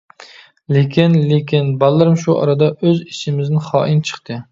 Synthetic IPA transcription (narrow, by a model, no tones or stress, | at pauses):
lekʲʰɪnlekʲɪnbɑlˠːɪɾɪmʃuʔɒ̰ɾad̪aʔɵzɪʃɪmɪznɪχɒːʔɪnt͡ʃʰɨ̥χt̪ʰɪ